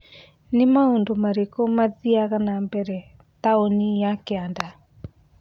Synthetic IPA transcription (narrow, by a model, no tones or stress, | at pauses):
nemaondomaɾekɔmaðiaɣanambɛɾɛ | taonijakeanda